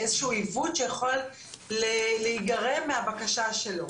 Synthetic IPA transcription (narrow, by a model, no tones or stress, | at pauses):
ezeʃuuivud̪ʃejaχol | lelehiɡaʁe̞mːehabakaʃaʃe̞lo̞